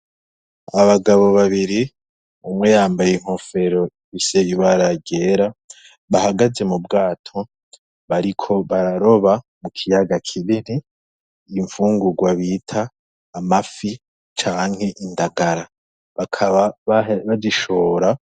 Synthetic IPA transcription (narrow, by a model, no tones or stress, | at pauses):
aβaɡaβo̞βaβiɾi | umŋejaːmbajeiŋ̥ho̞fe̞ɾo̞ | isejiβaɾaɟe̞ːɾa | βahaɡaze̞mubɡaːtʰo̞ | βaɾikʰo̞βaɾaɾo̞βa | mukʰijaɡakʰiβiniː | ɱfuːŋɡuɡwaβitʰaː | mafi | t͡ʃaːŋ̥he̞ʔindaɡaɾa | βakʰaβaβaβaɟiʃo̞ɾa